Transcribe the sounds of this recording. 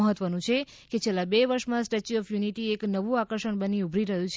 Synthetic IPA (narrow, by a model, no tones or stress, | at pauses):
əɦət̪ʋənũt͡ʃʰe | ket͡ʃʰelːabeʋəɾʃmãsʈet͡ʃiɔfjuniʈieknəʋũakəɾʃəɳbəniubʱɾiɾəɦjũt͡ʃʰ